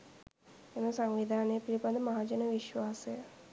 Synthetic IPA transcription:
enəsaŋʋid̪ʱaːnejəpilipad̪əmaɦaːd͡ʒənəʋiʃʋaːsejə

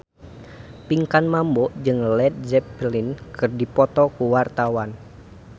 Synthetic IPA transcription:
piŋkanmambɔd͡ʒɨŋlɛt̪̚d͡ʒɛplinkɨrdipɔt̪ɔkuwart̪awan

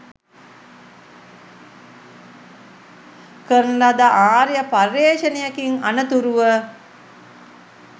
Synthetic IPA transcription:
kəɾnlad̪aʔaːɾijəparːeːʃənejakiŋanət̪uɾuʋə

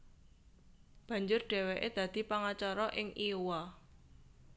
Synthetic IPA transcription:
b̥ä̤ɲd͡ʒʊrɖ̥ɛ̤wɛʔed̪̥ä̤d̪̥i̤paŋat͡ʃaɾɔʔɪŋʔiwa

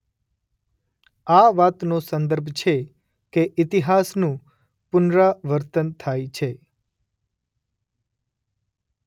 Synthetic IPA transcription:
aʋat̪nosə̃nd̪əɾbʱt͡ʃʰe | keʔɪt̪iɦasnũ | pʊnɾaʋəɾt̪ənt̪ʰajt͡ʃʰe

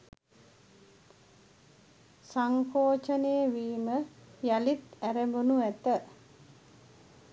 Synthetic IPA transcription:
saŋkoːt͡ʃəneəʋiːməjalit̪æɾebunuæt̪ə

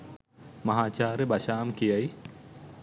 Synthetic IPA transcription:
mɐɦaːt͡ʃaːɾəbaʃaːmkijaj

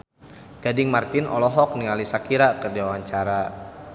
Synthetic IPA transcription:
ɡ̥adɪŋmart̪ɪnʔɔ̰lɔɦɔk̚nialisakiɾakərdiawaɲt͡ʃaɾa

